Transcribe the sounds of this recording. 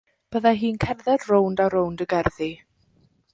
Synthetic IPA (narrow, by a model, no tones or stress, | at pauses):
b̥əðaɦiːnkʰɛnðɛrrowndaɾowndəɡɛrði